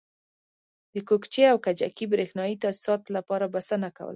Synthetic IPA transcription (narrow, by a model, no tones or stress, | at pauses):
d̪əkokt͡ʃeawkad͡ʒa̰kibɾexnɑit̪asi̥sɑt̪lapɑɾabasanaka̰wə̰la